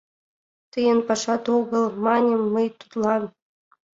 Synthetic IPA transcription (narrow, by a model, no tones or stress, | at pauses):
t̪ɯjɤ̆npɑʂɑt̪oɣɤ̆lˠmɑnʲɤ̆mːɤjt̪u̥t̪lˠɑn